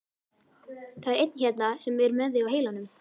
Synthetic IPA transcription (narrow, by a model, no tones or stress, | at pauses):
θaɛɾejt̪̚nçɛt̪nasɛmːɛɾmɛðɪawɦeːjlanʏm